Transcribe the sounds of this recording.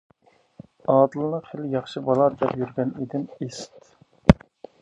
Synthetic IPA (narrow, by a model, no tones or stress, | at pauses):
ɑːd̪ɨlˠnɨχeljɑχʃibɑlˠɑːd̪ɛpjyɾɡʲɛned̪ɪnest̪